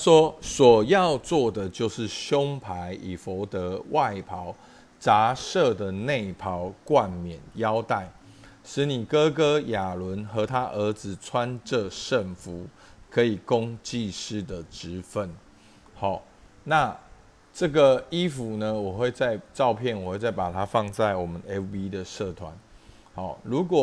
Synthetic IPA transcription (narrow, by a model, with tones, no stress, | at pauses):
a˥ʂwɔ˥swɔ˨˩jɑ˥˧ʊt͡swɔ˥˩d̪ə˨˩t͡ɕjo˥˧ʊʂɻ̩˥˨ɕjʊ˥˦ŋpʰa˧˦ɪʔi˨˩fo˨˧˥ʊt̪ə˧˦wʔa˥˩ɪpʰɑ˧˦ʊ | t͡sa˨˥ʂɤ˥˩d̪ə˩ne˥˩ɪpʰɑ˨˦ʊkwa˥˩nmjɛ˨˩njɑ˦˥ʊt̪a˥˩ɪ | ʂɻ̩˧˥ni˨˩kɤ˦kɤ˥ja˨˩lwə˧˦nxɤ˧˦t̪ʰa˦ʔə˧˥d͡zɹ̩˨t͡sʰwa˦nʈ͡ʂə˥˧ʂə˥˩ŋfu˨˧˦ | kʰɤ˨˧˥i˨˩kʊ˦ŋt͡ɕi˥˧ʂɻ̩˥˩d̪ə˨ʈ͡ʂɻ̩˧˦fə˥˨n | hɑ˨˩ | na˥˨ | ʈ͡ʂɤ˥˩ɡə˨˩i˦fu˨˦nə˧wɔ˨˩xwe˥˧ɪt͡sa˥˧ɪʈ͡ʂɑ˥˧ʊpʰjɛ˥˨nwɔ˨˩xwe˥˧t͡sa˥˩ɪpa˨˩t̪ʰa˦˥fɑ˥˧ŋt͡sa˥˩ɪwɔ˨˩mə˦ne˦bi˦d̪ə˨ʂə˥˨t̪ʰwa̰˧˦n | hɑ˥˨˩lu˨˥kwɔ˨˩